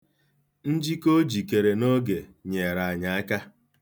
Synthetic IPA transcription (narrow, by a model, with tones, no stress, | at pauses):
n̩˦d͡ʒi˦ko˦d͡ʒi˨ke˨ɾe˨no˦ɡe˨ɲe˨ɾa˨a˨ɲa˨a˦ka˦